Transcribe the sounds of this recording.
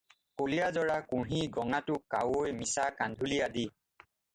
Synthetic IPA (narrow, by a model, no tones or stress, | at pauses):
kolijazɔɹakuɹɦiɡɔŋatʊkːa̰wojmisakandʱuliadi